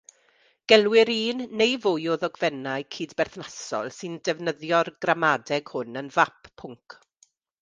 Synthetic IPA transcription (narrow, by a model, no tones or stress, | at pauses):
ɡ̥ɛlˠwɪɾiːnːejvojoːðɔɡvɛnaɨkʰiːdbɛrθnasɔ̰lˠsɨndɛvnəðjɔrɡ̥ramadɛɡ̥hʊnənvapʰːʊŋkʰ